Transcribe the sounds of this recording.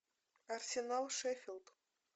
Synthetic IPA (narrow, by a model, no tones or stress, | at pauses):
arsʲenalˠʂefʲɪld̪